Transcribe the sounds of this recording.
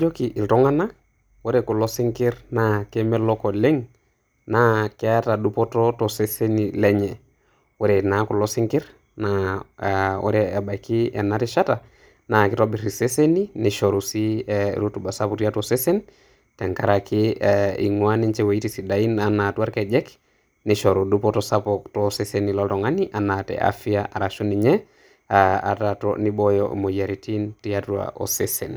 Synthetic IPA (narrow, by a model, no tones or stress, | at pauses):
d͡ʒokiʔiltɔŋana | woɾekulɔsiŋkɪɾnakemɛlɔkɔleŋ | nakɛatadupɔtɔtɔsesenilɛɲɛ | wɛɾenakulɔsɪŋkɪɾ | na | o̰ɾɛːbaikiɛ̰naɾiʃata | nakɪtɔbiɾiseseniniʃɔɾusḭɾutubasaputiatɔsesen | tɛŋkaɾakʰiḭŋwaniɲt͡ʃɛwaitisidainanatuaɾkɛd͡ʒɛk | niʃɔɾodupɔtɔsapɔktɔsesenilɔltɔŋaniʔanatɛ̰ʔa̰fiaʔaɾaʃoniɲɛ | aa̰tatɔ̰nibɔjɔḭmojaɾitintiatua̰ʔo̰sesɛn